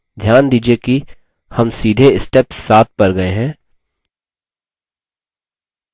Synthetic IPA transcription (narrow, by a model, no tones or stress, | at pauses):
d̪ʱjaːnd̪iːd͡ʒieki | hɐmsiːd̪ʱeɪsʈɛpsːaːt̪̚pɐɾɡɐeɦɛ̃ː